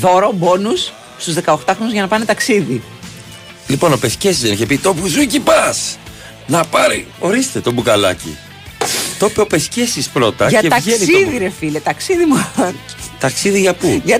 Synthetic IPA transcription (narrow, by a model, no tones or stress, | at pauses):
ðo̞ɾobo̞nus | st̪uzðe̞kɐoxt̪ɐxɾo̞nuzʝɐnɐpɐne̞t̪ɐksiði | lipo̞no̞pescesizðeniçepit̪o̞puzucipɐs | nɐpɐɾḭo̞ɾist̪e̞t̪o̞bukɐlɐ̰cḭ | t̪o̞peopescesispɾo̞t̪ɐʝɐet̪ɐeisiððiɾe̞filet̪ɐksiðimu | t̪ɐksiðiʝɐpuʝɐ